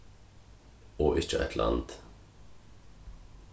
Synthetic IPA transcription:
oːʔɪt͡ʃːəʔɛ̰t̪ʰlʔɑ̰nt̪

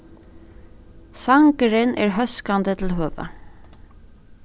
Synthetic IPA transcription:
saŋkɾɪnʔɛ̰ɹɦœskand̪ət̪ʰɪlɦøːʋa̰

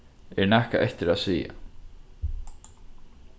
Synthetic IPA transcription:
ɛɹnahkaʔɛht̪ɪɾaðsiːja̰

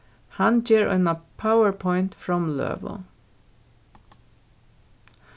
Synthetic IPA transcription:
hɑnd͡ʒeːɹœ̰ɪnapʰaʊəɹpʰɔʏnt̪fɹɑmlø̰ːʋʊ̰

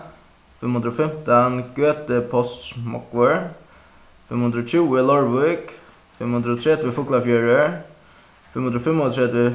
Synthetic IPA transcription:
fɛmhʊnd̪ɾɔfɛmt̪anɡ̥øːt̪əpʰɔst̪mɔ̰kʋəɹ | fɛmhʉnd̪ɾɔt͡ʃuːɪlɔɹʋʊk | fɛmhʉnd̪ɾɔt̪ʰɾɛd̪ʋəfʊklafjæːɹə | fɛmhʊnd̪ɾɔfɛmɔt̪ʰɾɛd̪ə

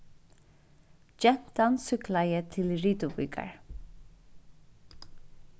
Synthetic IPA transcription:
d͡ʒɛn̥t̪ansʏklajət̪ʰɪlɹiːt̪ʊpʏ̰ːkʰa̰ɹ

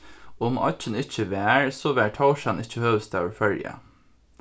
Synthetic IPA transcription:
ʊmɑ̰t͡ʃənɪçəʋæːɹsɔʋæːʈʰɑʊʃɑnɪçəhøːʋəst̪ʰæʋɹfœljə̰

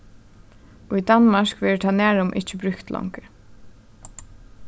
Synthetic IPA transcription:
ujd̪anmaʂkʋɛːɹɪt̪ʰanæːɹʊmʔɪ̰t͡ʃəbɾʏkt̪lɔ̰wŋkɪɹ

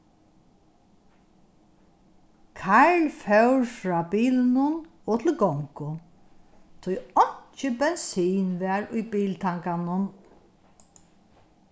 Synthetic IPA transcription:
kʰaɹlfœwɹfɾɑːbiːlɪnʊn | ɔːt̪ʰɪlɡɔŋkʊ | t̪ʰʊjɔɲ̥t͡ʃɪbɛnsiːnʋɛːɾʊjbiːlt̪ʰaŋkanʊn

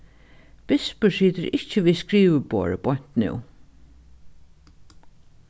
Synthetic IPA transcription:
b̥ɪspəsiːt̪əɾɪht͡ʃəʋiːskɾiːʋəbo̰ːɹə̰b̥ɔɲ̥t̪nɪ̰w

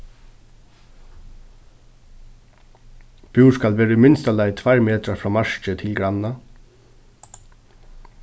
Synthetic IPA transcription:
b̥juːɹskalʋeːɾəmɪnst̪alɛɪt̪ʰʋaɾmeːt̪ɾafɹɔːmaɹt͡ʃət̪ʰɪlɡɾanːa

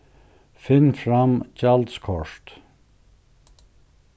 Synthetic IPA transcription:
fɪnfɾɑmt͡ʃald̪skʰɔʂt̪

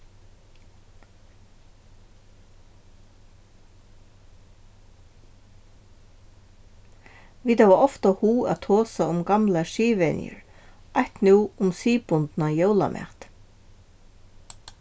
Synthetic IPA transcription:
ʋiːt̪aʋaɔft̪ahuːa̰t̪ʰɔːsaʊmɡɑmlaʃiːʋɛ̰njə̰ɹajht̪nuːʊmsiːpʊnt̪najowla̰mʔɛ̰ht̪

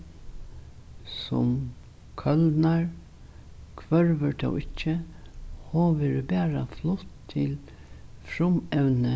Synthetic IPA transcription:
sɔ̰m | kʰœld̪naɹ | kʰʋœɹʋəɾt̪ʰɔ̰wɪt͡ʃːə | hoːʋɪɾbɛːɾa̰flʊht̪ʰːɪl | fɾʊmɛwnə

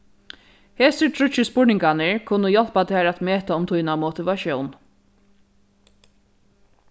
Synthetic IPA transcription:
heːsɪtʰɾʊt͡ʃːɪspʊɹnɪŋkanɪɹkʰʊnʊjɔl̥pat̪ʰɪaːɾat̪meːt̪aʊmt̪ʰʊjnamɔt̪ɪʋaʃjɔwn

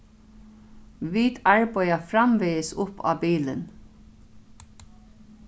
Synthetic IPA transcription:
ʋiːt̪aɹbœjafɾamʋeəsʊpːɑ̰ːbiːlə̰n

